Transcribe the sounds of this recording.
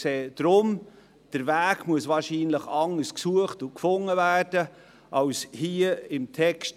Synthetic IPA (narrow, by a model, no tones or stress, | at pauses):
seːd̥ɾʊm | d̥əɾvæːɡmuəsvɑːɾʃiːnləχɑŋːəsksuəχtʊkfʊŋːəvæːrd̥ə | ʔɑwshiəɪmtʰɛkʃt